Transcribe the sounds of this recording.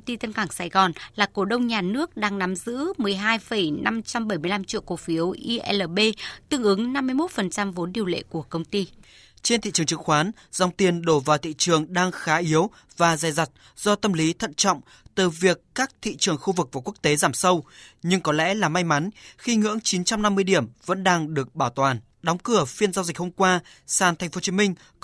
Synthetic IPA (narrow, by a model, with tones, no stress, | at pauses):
wŋ͡mt̪i˧t̪ə˧nkaː˧˩ŋsaː˧˩ɣɔ˨˩nlaː˨˩ko˧˩ɗə˧wŋ͡mɲaː˨˩nɨ˦˥ək̚ɗaː˧ŋna˨˦mzɨ̰˧˥mɨ˨˩əjɦaː˧jfə˧˩jna˧mt͡ɕa˧mɓə˧˩jmɨ˧əjla˧mt͡ɕḭ˧˨əwko˧˩fi˨˦əwʔi˧ʔɛ˧ləː˨˩ɓe˧t̪ɨ̰˧ə˨ŋʔɨ˨˦ŋna˧mːɨ˧əjmo˦˥t̚fə˨˩nt͡ɕa˧mvo˨˦nɗi˨˩əwlḛ˧˨ku˧˩əkə˧wŋ͡mt̪i˧ | t͡ɕe˧nt̪ḭ˧˨t͡ɕɨ˨˩ə˩ŋt͡ɕɨ˨˦˥kxwaː˨˦n | z̥a˧wŋ͡mt̪i˧ənɗo˧˩vaː˨˩wt̪ʰḭ˧˨t͡ɕɨ˨˩əŋɗaː˧ŋxaː˨˦ʔi˨˦əw | vaː˨˩zaː˨˩jza˨˩jt̚ | z̥ɔ˧t̪ə˧mli˨˦t̪ʰə̰˧˨nt͡ɕɔ̰˧˨wŋ͡m | t̪ɨ˨˩vi˨˩əkːaː˦˥k̚t̪ʰḭ˧˨t͡ɕɨ˨˩əŋxu˧vɨ˨˩k̚vaː˨˩ku˦˥ək̚t̪e˨˦zaː˧˩msə˧wɲɨ˧ŋkɔ˨˦lɛ̰˧˥laː˨˩ma˧jma˨˦nxi˧ŋɨ̰˧˥əŋt͡ɕi˨˦nt͡ɕa˧mna˧mːɨ˧əjɗi˧˩əmvə̰˧˥nɗaː˧ŋɗɨ˨˩ək̚ɓaː˧˩wt̪waː˨˩n | ɗɔ˨˦wŋ͡mkɨ˧˩əfi˧ənzaː˧zi˨˩k̟̚ho˧mkwaː˧ | saː˨˩nt̪ʰŋ̟fo˨˦t͡ɕi˨˦mï˧ŋ̟